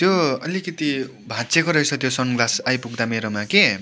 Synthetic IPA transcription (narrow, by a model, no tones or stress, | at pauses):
t̪joʌlikʌt̪i | bʱãt͡sekoɾʌjt͡sʰʌt̪josʌnɡlasajpuɡd̪ameɾomake